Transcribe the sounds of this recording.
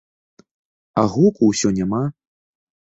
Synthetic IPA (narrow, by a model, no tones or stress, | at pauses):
aɣɔkuwsʲɔnʲama